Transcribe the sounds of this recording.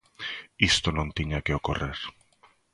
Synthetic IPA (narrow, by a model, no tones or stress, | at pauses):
ist̪onõnt̪iɲakeokoreɾ